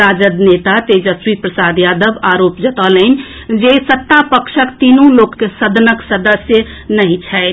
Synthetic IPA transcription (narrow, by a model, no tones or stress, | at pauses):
ɾad͡ʒəd̪net̪at̪ed͡ʒəswipɾəsad̪jad̪əbaɾopd͡ʒət̪ələɪn | d͡ʒesət̪ːapəkʃəkt̪inũlokːesəd̪ʱnəksəd̪əsjə | nəɦĩt͡ʃʰɛɪt̪